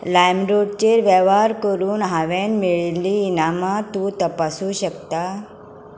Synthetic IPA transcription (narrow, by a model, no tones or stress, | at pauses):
lajmɾoɽt͡ɕeɾʋɛʋaɾkəɾuːnɦaʋenmiɭeliːnamat̪ũːt̪əpasuːɕəkt̪a